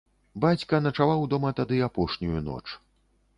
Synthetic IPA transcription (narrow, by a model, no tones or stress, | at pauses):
bat͡sʲkɐnɐt͡ʂavawd̪ɔmɐt̪ad̪ɨapɔʂnʲujunɔ̰t͡ʂ